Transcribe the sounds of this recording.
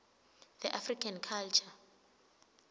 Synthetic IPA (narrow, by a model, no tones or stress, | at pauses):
ð̥ɛʔafrikʰankʰalt͡ʃʰa